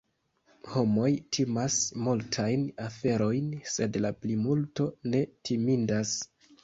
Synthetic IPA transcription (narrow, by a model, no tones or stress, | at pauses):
ho̞mo̞jtʰimasmultʰajnafe̞ɾo̞jnse̞dlaplimulto̞ne̞tʰimindas